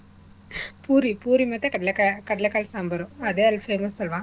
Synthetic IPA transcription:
puːɾipuːɾimɐt̪ːɐkɐɽɐlɐkakɐɽɐlɐkːaːɭsaːmbɐɾʊ̃ɐðeɐlfeɾmɐsɔlʋãː

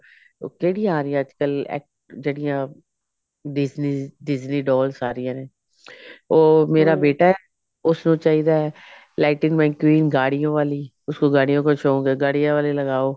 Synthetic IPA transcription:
o̰ːkeːɽijãaːɾɪjãəd͡ʒkəlɛ̰ːk̚ʈd͡ʒeːɽɪjãː | ɖɪzniːɖɪd͡ʒniːɖɔːlsaːɾɪjãːnẽː | oːmeːɾaːbeːʈaːɛː | ʊsnũːt͡ʃaːɦiːd̪aːɛ | laːɪʈɪ̃ŋɡmɛ̃ːkwiːnɡaːɽijõːʋaːliː | ʊskoːɡaːɽijõːkot͡ʃʰõːɡeːɡaːɽijãːʋaːleːləɡaːoː

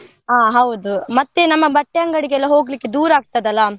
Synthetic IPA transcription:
aːɦɐwd̪umɐt̪ːenɐmːɐbɐʈːjɐŋɡɐɽiɡeɛlːɐɦo̞ːɡlikːed̪uːɾaːɡ̚t̪ɐd̪ɐlːɐ

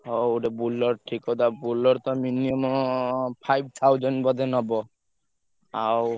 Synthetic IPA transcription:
ɦouɖebulɔɾʈʰikɔd̪abulɔɾt̪ɔminiɔm | pʰajb̚t̪ʰawd͡ʒɔɳʈbɔd̪ʱenɔbɔ | aw

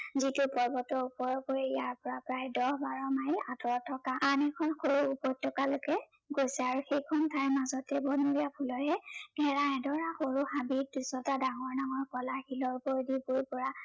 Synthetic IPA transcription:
zitʊpɔɹbɔtɔupɔɹɔkoɹɛjaɹpɔɹapɹajdɔhbaɹɔmajiatɔɔtʰɔkaʔanɛkʰɔnxoɹuːpɔj̚tʰːɔkalokɛ | ɡojsɛaɹuxejkʰɔntʰajmazɔtɛbɔnuɹijapʰulɔɦɛɡɛɹaɛdɔɹaxoɹuhabidusɔtadaŋɔɹnaŋɔɹkɔlaxilɔɹkoɹdipoɹpɔɹa

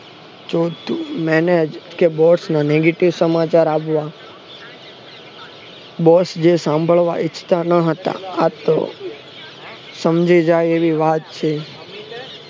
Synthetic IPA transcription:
t͡ʃot̪umɛned͡ʒkebɔsnaneɡeʈiʋsəmat͡ʃaɾapʋa | bɔsd͡ʒesãmbʱəɭʋaʔɪt͡ʃʰt̪anəɦət̪a̰at̪o̰ | səmd͡ʒid͡ʒajeʋiʋat̪̚t͡ʃʰe

